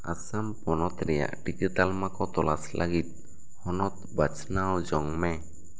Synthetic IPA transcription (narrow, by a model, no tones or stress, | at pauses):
a̰sampɔnɔt̪ɾɛja̰ʔɖid͡ʒit̪almakɔt̪ɔlaslʔaɡit̪̚ˀ | hɔnɔt̪̚bat͡ʃnawd͡ʒɔŋmɛ